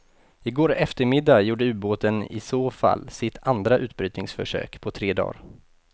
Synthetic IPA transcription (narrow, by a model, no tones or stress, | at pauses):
ɪɡoːɾɛft̪əɾmɪd̪ːajuːɖəʉboːt̪ənɪ̰soːfa̰lːsɪt̪ʰand̪ɾaʔʉ̟ːt̪̚bɾyːt̪nɪŋsfœʂø̰ːkpʰɔt̪ʰɾeːd̪ɑ̰ːɾ